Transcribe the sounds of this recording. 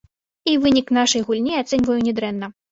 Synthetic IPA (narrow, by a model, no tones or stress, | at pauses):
ivɨnʲiknaʂɐjɣulʲnʲiat̪sɛnʲvɐjunʲɛd̪ɾɛnːɐ